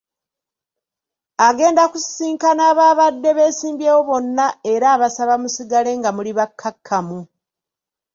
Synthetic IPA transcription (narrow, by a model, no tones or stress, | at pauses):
aɡe̞ːndakussiːŋkanaːβaːβadːe̞βe̞ːsiːmbje̞ːwo̞βo̞nːae̞ɾaːβasaβamusiɡale̞ŋɡamuliβakʰːakʰːamu